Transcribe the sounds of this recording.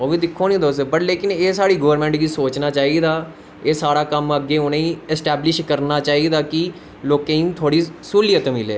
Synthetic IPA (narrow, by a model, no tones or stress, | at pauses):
oːʋĩːd̪ɪkʰːoːnĩːd̪oːs̬ebəʈleːkɪneːsaːɽiːɡəʋəɾmɛ̃ːɳʈɡiːsoːt͡ʃnaːt͡ʃaːiːd̪aː | eːsaːɾaːkəməɡːeːʊneĩːɛsʈɛːblɪʃkəɾnaːt͡ʃaːiːd̪aːkɪ | loːkeːĩt̪ʰoːɽiːsuːlɪjət̪mɪlḛː